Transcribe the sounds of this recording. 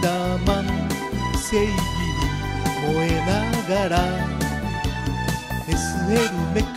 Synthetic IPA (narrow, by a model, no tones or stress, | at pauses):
aman | sejɡiɾi | moenaɣaɾa | esɨeɾimek